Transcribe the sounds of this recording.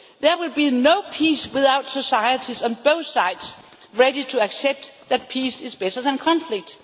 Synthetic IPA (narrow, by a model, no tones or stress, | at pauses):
ðɛwɪlbinoʊpʰiswɪðaʊd̥sosaɪətʰisə̃nb̥oʊθsaɪd̥s | ɹeɾitʰuæksɛb̚tðæt̚pʰisɪzb̥ɛɾə˞ðæ̃nkʰɑ̃nflɪɡ̚d̥